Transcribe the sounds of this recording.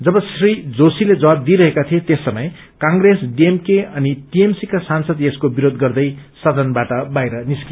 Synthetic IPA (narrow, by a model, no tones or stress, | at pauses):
d͡zʌbʌsrid͡zosiled͡zʌwab̚d̪iɾʌɦekat̪ʰiet̪esːʌmʌj | kãŋɡresɖiemkeʌniʈiemsikasansʌd̪eskobiɾod̪ɡʌrd̪ʌjsʌd̪ʱʌnbaʈʌbajɾʌniski